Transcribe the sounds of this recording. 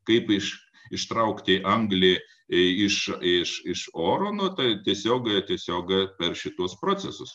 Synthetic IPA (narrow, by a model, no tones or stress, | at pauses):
kɐɪpɪʃ | ɪʃt̪ɾɐʊkt̪ʲɪʔɐŋɡlʲeː | ɪʃɪʃɪʃoːɾoːnoːt̪ɐɪt̪ʲiɛsʲoːkt̪ʲiɛsʲoːkpʲɛrʃʲɪt̪uɔspɾoːt͡s̪ʲɛsʊs